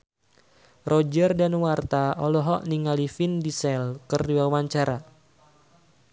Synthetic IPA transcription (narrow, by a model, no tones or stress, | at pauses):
rɔd͡ʒərdanwart̪aɔlɔɦɔʔniŋalifindisɛlkərdiwawaɲt͡ʃaɾa